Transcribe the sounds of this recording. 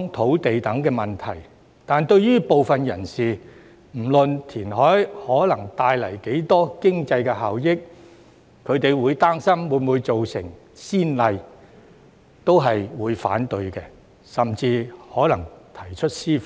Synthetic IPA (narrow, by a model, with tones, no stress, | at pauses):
ŋt̪ʰo˨˥wt̪e˨jt̪ɐ˨˥ŋkɛː˧mɐ˨˩nt̪ʰɐ˨˩j | t̪aː˨nt̪ɵ˧ɥɥyː˥po˨wfɐ˨njɐ˨˩nsiː˨ | m̩˨˩lɵ˨nt̪ʰiː˨˩nɦɔː˨˥jhɔː˨˥lɐ˨˩ŋt̪aː˧jlɐ˨˩jke˨˥jt̪ɔː˥kɪ˥ŋt͡sɐ˧jkɛ˧ɦaː˨wjɪ˥k̚ | kʰɵ˨˧t̪e˨jwuː˨˧jt̪aː˥ŋsɐ˥mwuː˨˧nmuː˨˧jt͡so˨wsɪ̰˨˩ŋ | siː˥nlɐ˧j | t̪o˥wɦɐ˨jwuː˨˧˥jfa̰ː˨˥nt̪ɵ˧ɥkɛ˧ | sɐ˨mt͡siː˧hɔː˨˥lɐ˨˩ŋt̪ʰɐ˨˩jt͡ʃʰɵ˥t̚siː˥f